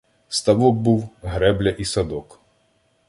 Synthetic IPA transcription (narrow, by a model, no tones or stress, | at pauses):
st̪ɐʋɔk̚buwɦɾɛblʲɐʔisɐd̪ɔk